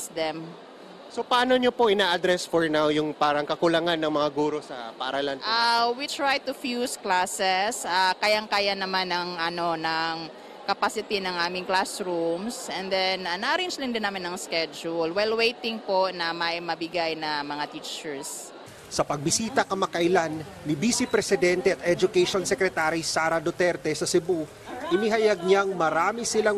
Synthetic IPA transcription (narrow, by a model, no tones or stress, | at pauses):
sd̪ɛm | sopɐaːnoɲopoʔɪnaːʔɐd̪ɾɛsfoɹnawjʊŋpaːɾɐŋkɐkʊlɐŋanːɐŋmɐŋaɡuːɾo̞sɐ̰pɐʔɐɾɐlanʔawit̪ɹajt̪ʊfjusklasɛsakajaŋkajanɐmanɐŋʔɐno̞nɐŋ | kɐpasɪt̪inɐŋʔaːmɪŋklasɹumsɛ̃nd̪ɛnɐnɐʔɐɾend͡ʒd̪ɪnd̪ɪnːaːmɪnɐŋskɛd͡ʒʊlwajlwejt̪ɪŋpo̞nɐmɐjmɐbɪɡajnɐmɐŋat̪iːt͡ʃɛɹs | sɐpɐɡ̚bɪsiːt̪ɐkɐmɐkɐʔɪlanː | ɪbiːsipɾɛsɪd̪ɛnt̪ɛɐt̪ɛd͡ʒʊkɛʃonsɛkɾɛt̪aːɾisaːɾɐd̪ot̪ɛɾt̪ɛsɐsɛbu | ʔɪniɦɐjaɡ̚ɲaŋmɐɾaːmɪsɪla